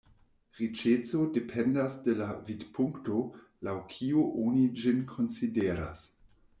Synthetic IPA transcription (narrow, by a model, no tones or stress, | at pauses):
ʁit͡ʃet͡so̞depʰendasde̞lavidpʰuŋkto̞ | lawkʰiuʔonid͡ʒinkʰo̞nsideɾa̰s